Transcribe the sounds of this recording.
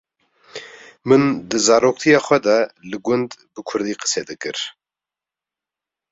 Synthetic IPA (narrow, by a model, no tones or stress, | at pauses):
mɨnd̪ɨzɑːɾoːk̚t̪ʰijɑːxʷɛd̪ɑlɨɡʊnd̪bɨkʰʊɾd̪iːqɨ̥sɛd̪ɨkɨɾ